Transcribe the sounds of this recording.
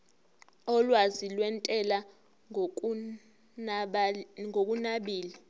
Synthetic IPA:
ɔlwazilwɛntʼɛla | ŋok̬ʼunaɓiːli

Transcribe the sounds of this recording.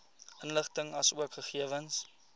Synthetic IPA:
ənləχtəŋɐsuəkχəχiəvəns

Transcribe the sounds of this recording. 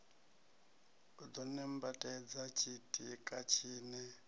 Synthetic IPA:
ud̪ɔnɛmbatʼɛd͡zat͡ʃʰitʼikʼat͡ʃʰiːnɛ

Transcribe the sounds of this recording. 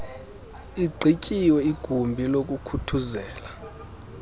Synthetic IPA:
iɡ͡ǃʱicʼiwɛiɡ̥ʱumbʱilok̬ʼukʰutʰuzɛːla

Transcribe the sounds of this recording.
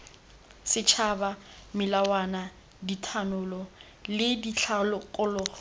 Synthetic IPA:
sɪt͡ʃʰaba | mɪlawana | ditʰanʊlɔ | lɪdit͡ɬʰalɔkʼʊlɔ

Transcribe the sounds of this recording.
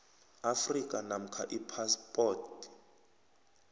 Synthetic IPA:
afrikʼanam̩kʰa̰ʔipʰaspʼɔːt

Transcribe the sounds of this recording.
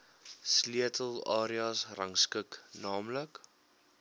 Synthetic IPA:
sliətʰəlˠɑːɾiɑsrɐŋskəknɑːmlək

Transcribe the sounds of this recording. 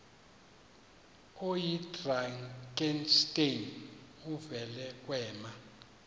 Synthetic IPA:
ojidraŋkʼɛnstʼenuvɛlɛk̬ʼwɛːma

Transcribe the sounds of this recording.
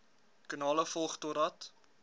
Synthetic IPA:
kənɑːləfɔlˠχtoɾɐt

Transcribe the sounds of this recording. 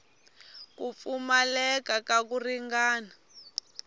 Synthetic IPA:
kup̪fumalɛkakak̬uriŋɡaːna

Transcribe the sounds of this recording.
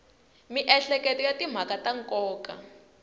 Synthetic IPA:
miʔɛɬɛkɛtijatim̤akataŋkʼɔːka̰

